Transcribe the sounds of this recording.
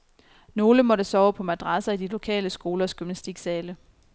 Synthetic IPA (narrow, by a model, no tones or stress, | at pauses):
no̝ːləmɒ̽ɾəsɒːʊpʰɒ̽mæd̥ʁɑsɐid̥ilo̝kʰɛ̰ːləsɡ̥o̝ːlɐɒ̽sɡ̥ymnæsd̥iɡ̥sɛːlə